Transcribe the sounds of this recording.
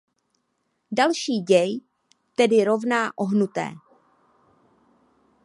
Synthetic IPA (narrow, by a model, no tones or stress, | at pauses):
dalʃiːɟɛj | t̪ɛdɪɾo̞vnaːʔo̞ɦnut̪ɛ̰ː